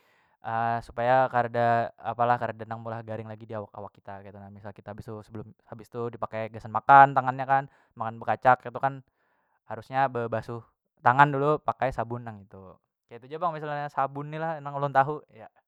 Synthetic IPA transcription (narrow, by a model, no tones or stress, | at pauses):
ʔəsu̥pajakaɾdaːpalahkaɾdanaŋmulahɡaɾɪŋlaɡidiawaka̰wakːit̪akait̪unamisalkit̪aabɪst̪usəbəlʊmhabɪst̪udipakajɡasanmakant̪aŋanɲakan | makanbəkat͡ʃakːat̪ukan | haɾusɲabəbasu | t̪aŋandulupakajsabʊnːaŋit̪u | kajat̪ud͡ʒabaŋmisalɲasabʊnːilahnaŋulʊŋt̪aɦuja